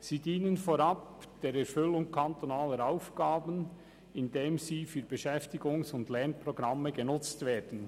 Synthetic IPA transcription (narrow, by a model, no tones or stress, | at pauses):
siːdiːnənfoɾɑp̚d̥eːɾɛɾfʏlʊŋkʰant̪onaːləɾaʊfɡ̥aːbən | ɪndeːmziːfyːɾbɛʃɛftɪɡʊŋsʊndlɛɾnpɾoɡɾɑmːəɡenʊt͡stveːd̥n̩